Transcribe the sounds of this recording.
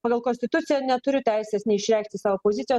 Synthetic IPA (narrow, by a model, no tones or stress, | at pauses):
aɡalˠkɔnst̪it̪ut̪sʲijanʲat̪uɾʲut̪ʲajsɛsnʲiʃɾʲak̚t̪isaopozʲit̪sija